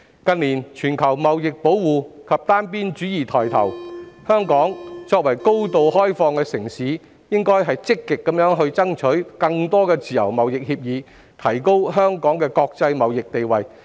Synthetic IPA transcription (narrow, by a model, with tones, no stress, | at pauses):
kɐ˧nliː˨˩nt͡ʃʰyː˨˩nkʰɐ˨˩wmɐ˨wjɪ˨k̚po˨˥wwuː˨kʰɐ˨p̚t̪aː˥npiː˥nt͡ʃyː˨˥jiː˨˩t̪ʰɔː˨˩jt̪ʰɐ˨˩whœː˥ŋkɔː˨˥ŋt͡sɔː˧k̚wɐ˨˩jko˥wt̪o˨wɦɔː˥jfɔː˧ŋkɛː˧sɪ˨˩ŋsiː˨˥ | jɪ˥ŋkɔː˥jɦɐ˨jt͡sɪ˥kːɪ˨kːɐ˨˥mjœː˨˥ŋɦɵ˧ɥt͡sɐ˥ŋt͡ʃʰɵ˨˥ɥkɐ˧ŋt̪ɔː˥kɛː˧t͡siː˨˩jɐ̰˨˩wmɐ˨wjɪ˨k̚hiː˧p̚jiː˨˧ | t̪ʰɐ˨˩jko˥wɦœː˥ŋkɔː˨˥ŋkɛː˧kɔː˧k̚t͡sɐ˧jmɐ˨wjɪ˨k̚t̪e˨jwɐ˨j